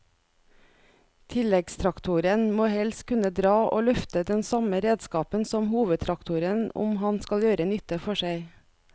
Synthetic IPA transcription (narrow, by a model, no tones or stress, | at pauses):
t̪ʰɪlɛɡst̪ʰɾɑkt̪ʰʊɾənmoːhɛlskʰʉnəd̪ɾɑːʔo̰ːlœft̪əd̪ɛnsɑməɾeːd̪skɑːpənsɔmhuːʋəd̪t̪ʰɾɑkt̪ʰʊɾənʊ̰mhɑnskɑljøːɾənʏt̪əfɔʃæɪ